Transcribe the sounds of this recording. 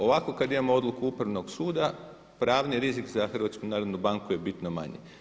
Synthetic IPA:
o̞ʋako̞kad̪imamoo̞d̪lukuupɾaʋno̞ɡsuːd̪a | pɾaːʋniɾizikzaxər̩ʋat̪skunaːɾod̪nubaŋkuje̞bit̪noma̰ɲḛ

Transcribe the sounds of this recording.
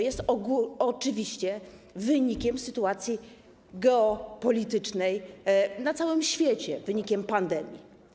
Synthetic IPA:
jɛst̪ɔɡuɔt͡ʂɘvʲiɕt͡ɕɛ | vɘɲikʲɛmsɘt̪uat̪sʲji | ɡɛɔpɔlʲit̪ɘt͡ʂnɛjnat̪sawɘmɕfʲjɛt͡ɕɛvɘɲikʲɛmpand̪ɛmʲjḭ

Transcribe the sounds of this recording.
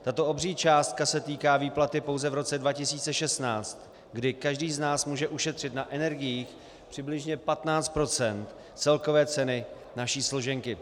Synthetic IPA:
t̪at̪o̞ʔobriːt͡ʃaːst̪̚kasɛt̪iːkaːviːplat̪ɪpo̞wzɛvɾo̞t͡sɛdvacɪsiːt͡sɛʃɛst̪naːt͡st̪ | ɡdɪkaʒdiːznaːsmuːʒɛʔuʃɛt̪r̝̥ɪt̪naʔɛnɛɾɡɪjiːx | pr̥ɪblɪʒɲɛpat̪naːt͡st̪̚pɾo̞t͡sɛnt̪ | t͡sɛlko̞vɛːt͡sɛnɪ | naʃiːslo̞ʒɛŋkɪ

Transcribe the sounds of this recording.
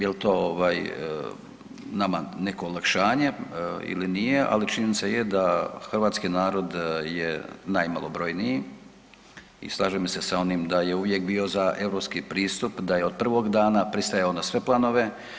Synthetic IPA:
jelt̪o̞oʋaːj | nama̰ne̞koːlˠakʃaːɲeḭlinijeʔa̰lit͡ʃiɲenit̪sajed̪axrʋaːt̪skinaːɾo̞d̪jenajmalˠo̞bɾo̞jniji | ḭslˠaːʒemsesao̞nimd̪aje̞uʋje̞k̚biːozaʔe̞vɾo̞ːpskipɾiːst̪upd̪ajeod̪̚pr̩ʋo̞ɡd̪aːnapɾist̪ajaonasʋe̞plˠano̞ʋe̞

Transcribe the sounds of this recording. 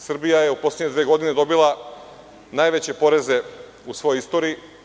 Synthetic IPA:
sr̩bijaje̞upo̞slʲeɲed̪ʋeːɡo̞d̪ine̞d̪o̞bilˠa | naːjʋe̞t͡ɕe̞po̞ɾe̞ze̞ | usʋo̞joist̪oɾiː

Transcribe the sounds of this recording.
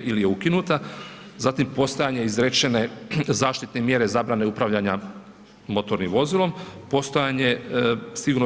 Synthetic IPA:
ʔilije̞ukinut̪azat̪impo̞st̪ojaɲe̞izɾet͡ʃe̞ne̞zaːʃt̪it̪ne̞mje̞ɾe̞zabɾaneupɾaʋʎaɲa | mo̞t̪o̞ɾnimʋo̞zilˠo̞mpo̞st̪o̞jaɲe̞siɡuːɾno

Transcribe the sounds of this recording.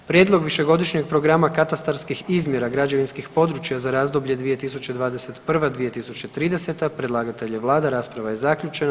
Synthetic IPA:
pɾjed̪lˠo̞ɡʋiʃe̞ɡo̞d̪iʃɲeɡ̚pɾo̞ɡɾamakat̪ast̪aɾskixizmje̞ɾaɡɾad͡ʒe̞ʋinskixpo̞d̪ɾut͡ʃjazaɾaːzd̪obʎe̞d̪ʋije̞t̪isut͡ɕed̪ʋaːd̪eset̪pr̩ʋad̪ʋije̞t̪isut͡ɕet̪ɾiːd̪e̞set̪apɾed̪lˠaːɡat̪e̞ʎeʋlˠaːd̪aɾaːspɾaʋajezakʎʲut͡ʃe̞na

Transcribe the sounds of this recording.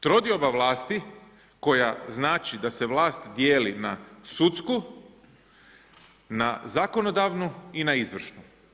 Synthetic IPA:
t̪ɾo̞d̪iobaʋlˠaːst̪i | ko̞jaznaːt͡ʃid̪ase̞ʋlˠaːst̪d̪jeːlinasut̪sku | nazako̞nod̪aʋnuinaizʋr̩ʃnu

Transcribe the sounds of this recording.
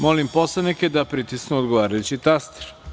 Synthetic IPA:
mo̞limpo̞slˠaniked̪apɾit̪isknuod̪ɡoʋaːɾajut͡ɕit̪ast̪e̥ɾ

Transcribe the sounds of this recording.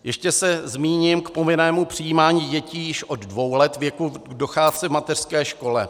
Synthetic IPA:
jɛʃcɛsɛzmiːɲɪmkpomɪnɛːmupr̝̥ɪjiːmaːɲiːɟɛciːjɪʃʔo̞ddvo̞wlɛt̪vjɛkudoxaːt͡sɪvmat̪ɛr̥skɛːʃko̞lɛ

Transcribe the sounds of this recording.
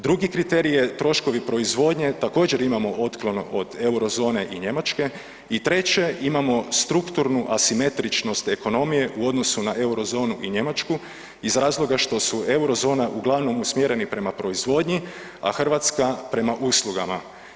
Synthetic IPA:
d̪ɾuɡikɾit̪e̞ɾijet̪ɾo̞ʃko̞ʋipɾo̞izʋo̞ːd̪ɲe̞t̪ako̞ːd͡ʑe̞ɾimamo̞ʔo̞t̪klˠonoʔod̪e̞wɾo̞zo̞ːne̞ʔiɲe̞mat͡ʃke̞ | it̪ɾe̞t͡ɕe̞imamo̞st̪ɾukt̪uɾnuʔasime̞t̪ɾit͡ʃno̞st̪e̞ko̞no̞mije̞ʔuo̞d̪no̞sunaʔe̞wɾo̞zo̞ːnuʔiɲe̞mat͡ʃku | izɾaːzlˠo̞ɡaʃt̪o̞sue̞wɾo̞zo̞ːnaʔuɡlˠaʋno̞musmje̞ɾe̞nipɾe̞mapɾo̞izʋo̞d̪ɲi | a̰xr̩ʋat̪skapɾe̞maʔuslˠuɡama

